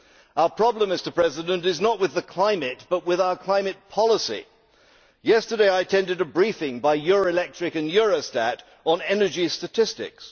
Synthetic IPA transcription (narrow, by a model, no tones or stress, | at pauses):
aʊə˞pʰɹ̥ɑblə̃mːɪstə˞pʰɹ̥ɛzɪdə̃ntɨznəʔ̚wɨðɨkʰl̥ãɪ̃mɨt̚b̥ʌt̚wɪðaʊəkʰl̥ãɪ̃mɨt̚pʰɑlˠəsḭ | jɛstə˞deɪaɪɨtʰɛ̃ndɨɾəbɹifɪ̃ŋbaɪjʊɹoʊɪlɛk̚tɹ̥ɨkɨ̃njʊɹoʊstæɾ | n̩ɛnə˞d͡ʒistɨtʰɪstɪ̰ks